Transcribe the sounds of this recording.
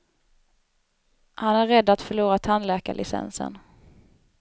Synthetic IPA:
hanæɾɛd̪ːat̪fœɭuːɾat̪ʰanlɛːka̰ɭʔɪsɛ̰nsə̰n

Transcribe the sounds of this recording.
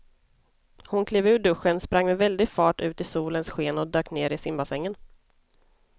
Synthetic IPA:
hʊnkʰleːvʉ̟ːɖɵɧːənspɾaŋːmɛvɛld̪ɪɡfɑːʈʉ̟ːt̪ɪsuːlənsɧeːnɔd̪øːkneːɾɪsɪmbasɛŋːən

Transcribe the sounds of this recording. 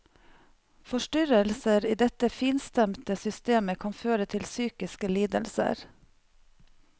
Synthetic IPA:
fɔʃʈʏɾəlsəɾiːd̪ɛt̪əfiːnst̪ɛmt̪əsʏst̪eːməkʰɑnføːɾət̪ʰɪlsyːkɪskəliːd̪ə̰lsə̰ɾ

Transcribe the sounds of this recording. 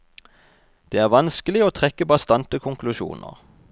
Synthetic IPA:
d̪̥eːæːʁʋɑnskəlɪoːt̪ʰʁɛkːəbɑst̪ɑnt̪əkʰʊŋkʰlʉʃṵːnʔə̰ʁ

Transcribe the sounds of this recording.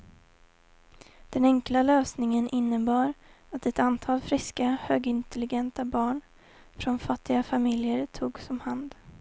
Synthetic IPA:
d̪̥ɛnɛŋklaløːsnɪŋənʔɪnːəbɑːɾ | at̪ɛt̪ant̪ʰɑːlfɾɪskahøːɡɪnt̪ʰɛlɪɡɛnt̪abɑːɳ | fɾɔnfat̪ːɪɡafamɪljəɾt̪ʰuːɡsɔmhand̪

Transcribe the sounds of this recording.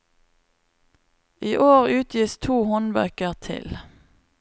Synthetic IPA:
ʔiːʔoːʁʉːt̪ʰjiːst̪ʰuːhɔnʋæ̰kəʁt̪ʰɪ̰l

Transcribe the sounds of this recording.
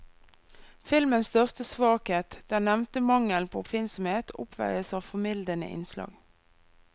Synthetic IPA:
fɪlmənst̪œʁst̪əsʋɑːkheːt̪d̪̥ænɛʋnt̪əmɑŋəlpʰoːʊpfɪnsɔmheːt̪ʰʊ̰pʰʋæ̰ɪəsɑːʋfɔmɪld̪ənə̰ʔɪ̰nslɑ̰ːɡ

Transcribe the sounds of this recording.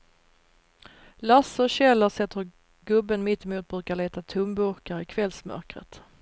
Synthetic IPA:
lasːəɕɛlːəsɛt̪ːəɾ | ɡɵbːənmɪt̪ːɪmuːt̪̚bɾʉ̟ːkaɭeːt̪at̪ʰɵmbɵɾkaɾɪkʰvɛlsmœ̰ɾkɾə̰t̪

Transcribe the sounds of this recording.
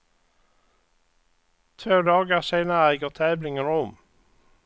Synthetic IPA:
t̪ʰøːd̪ɑːɡəʁseɪnəʁæɪɡəʁt̪ʰæːʋlɪŋənʊm

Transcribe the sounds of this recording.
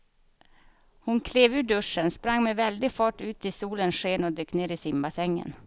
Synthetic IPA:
hʊnkʰleːvʉ̟ːɖɵʂːənspɾaŋːmɛvɛld̪ɪɡfɑːʈʉ̟ːt̪ɪsuːlənʂeːnɔd̪øːkneːɾɪsɪmbasɛŋːə̰n

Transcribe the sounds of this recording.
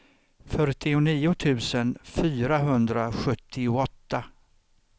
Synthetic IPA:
fœɾʈɪʊniːʊt̪ʰʉ̟ːsənfyːɾaɦɵnd̪ɾaɧɵt̪ʰːɪʊɔt̪ːa

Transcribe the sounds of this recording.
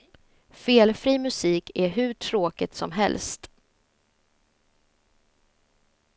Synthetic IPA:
feːlfɾiːmɵsiːkʰæɾɦɵʈʰɾoːkɪt̪sɔmɦɛ̰lst̪

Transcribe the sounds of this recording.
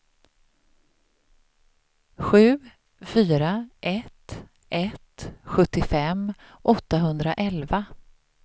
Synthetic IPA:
ɧʉ̟ː | fyːɾaʔɛt̪ | ʔɛt̪ɧɵt̪ːɪfɛm | ʔɔt̪ːaɦɵnd̪ɾaʔɛlva

